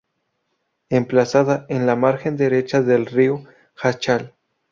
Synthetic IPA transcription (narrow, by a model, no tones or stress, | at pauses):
e̞mplasaðaʔenlamaɾxe̞nd̪e̞ɾe̞t͡ʃaðelrio | xat͡ʃal